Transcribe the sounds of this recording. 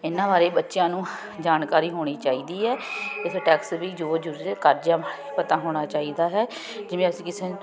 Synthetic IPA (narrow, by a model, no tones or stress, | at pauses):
ɪnːãːbaːɾeːbətːʃɪjãːnũː | d͡ʒaːnkaːɾiːɦoːɽ̃iːt͡ʃaːiːd̪iːɦɛːɪsʈɛːksʋiːd͡ʒoːd͡ʒʊɾkəɾd͡ʒaː | pət̪ãːɦoːɽ̃aːt͡ʃaːiːd̪aːɦɛː | d͡ʒɪʋẽːəsĩːkɪseːn